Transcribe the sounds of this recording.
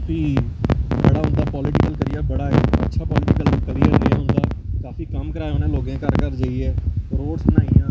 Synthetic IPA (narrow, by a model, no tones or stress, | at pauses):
kaːfiː | bəɽaːɦʊ̃nd̪aːpɔːlɪʈɪkəlkəɾɪjaːbəɽaːə̰tːʃʰaːpɔːlɪʈɪkəlkəɾiːəɾɾeja̰ːɦʊ̃nd̪aːkaːfiːkəmkəɾaːjonẽːloːɡẽːkəɾkəɾd͡ʒaːiɛːɾoːɖsnaːijãː